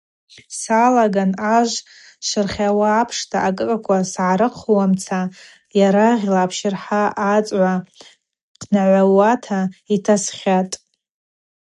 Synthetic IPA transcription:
salaɡanaʒʷ | sɨrχʲawaːpʰʂtʰaʔakʼɨkʼakʷʰasʕaɾɨqʰwamt͡sʰa | jaɾaʁʲlaːpʰʃɪrħaːt͡sʷʼʕʷa | dʰnaʕʷawatʰaitʰasχʲatʼ

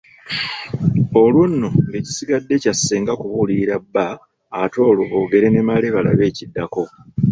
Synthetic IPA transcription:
olwunːo̞ŋɡe̞ci̥siɡadːe̞casːeːŋɡakuβuliɾabːaː | to̞ːluβoːɡe̞ɾenemaleβala̰βe̞ːcidːako̞

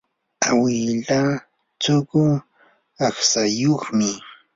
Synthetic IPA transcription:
awɪʎa | t͡sʊɢʊ | aχsajoχmɪ

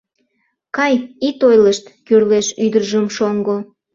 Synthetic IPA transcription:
kɑjit̪ojləʃt̪kyrleʃyd̪ərʒəmʃoŋɡo

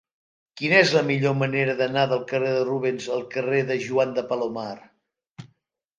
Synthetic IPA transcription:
kinəɛzləmiʎoməneɾəðənaðəlˠkəreðəruβ̞enzəlˠkəreðəʒuand̪əpəlomar

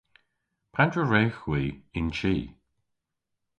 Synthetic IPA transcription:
pʰandɹəɹeːxwiːɪnt͡ʃiː

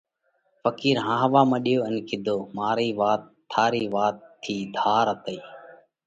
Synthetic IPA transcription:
fəkiːɾɦãːɦəʋaːməɗɪjoːənkʰɪd̪ʱoːmaːɾiːʋaːt̪ʰːaːɾiːʋaːt̪ʰːiːd̪ʱaːɾət̪əiː

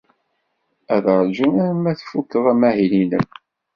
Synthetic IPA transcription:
æðɾˤd͡ʒunæɾmːæθfukːəðˤæmæhilinəm

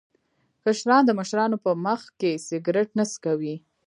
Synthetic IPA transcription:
kaʃɾɑnd̪əməʃɾɑnopəməxkesɪɡɾɪʈ̚naskawi

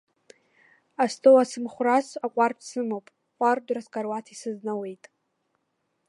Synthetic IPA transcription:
astʰʼowasɨmχʷrasakʷʼarpʰsɨmopʼʷardraskʼarwatʰisɨznawe̞jtʼ

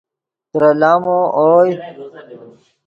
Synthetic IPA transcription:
t̪ɾɐlaːmoʔoːj

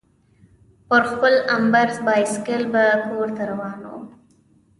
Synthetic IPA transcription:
pəɾxpəlambaɾzbɑjskɪlbakoɾt̪aɾawɑːno̰

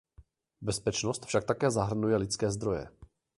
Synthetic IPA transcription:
bɛspɛt͡ʃnost̪fʃak̚t̪akɛːzaɦr̩nujɛlɪt͡skɛːzd̪ɾo̞jɛ̰

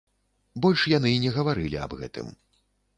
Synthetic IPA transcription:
bɔlʲʂjanɨnʲɛɣɐvaɾɨlʲḭa̰bɣɛ̰t̪ɨ̰m

